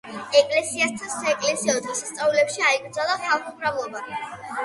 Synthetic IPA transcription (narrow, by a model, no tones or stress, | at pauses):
ɛkʼlɛsiast̪ʰansaɛkʼlɛsiɔd̪ʁisast̪sʼaulɛpʃiaiɡɾd̪zalˠaχalˠχumɾavlˠɔba